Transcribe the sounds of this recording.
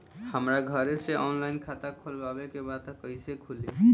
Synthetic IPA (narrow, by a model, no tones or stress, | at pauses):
həmɾaɡʱəɾeseʔɔnlainkʰat̪akʰulbabekebad̪̚t̪kəɦɪsekʰuli